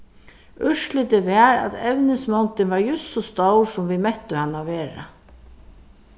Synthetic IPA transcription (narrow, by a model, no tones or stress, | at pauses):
ʏʂlɪt̪ɪvɛaɾa̰t̪ɛvnɪnsmawnt̪ɪnvaɹjʏsːɔst̪owsʊmvimɛt̪ʏhanːaveːɾa̰